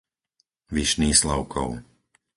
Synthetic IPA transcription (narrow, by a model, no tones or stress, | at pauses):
ʋiʃniːslaʊkʰɔ̰ʊ